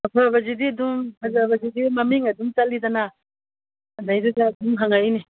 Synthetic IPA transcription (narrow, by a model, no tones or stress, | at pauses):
ɐpʰabɐzidiɐdumhazaβɐzidimɐmiŋɐdumt͡ʃalːidɐna | dajdudaːduŋɦaŋajni